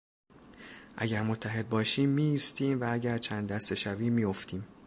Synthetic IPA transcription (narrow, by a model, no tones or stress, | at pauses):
ʔæ̰ɟæɾmo̞t̪ʰːæɦe̞d̪̚bɒːʃiːmːiːst̪iːmvææɟæɾt͡ʃʰænd̪ːæst̪e̞ʃæviːmijo̞ft̪ʰiːm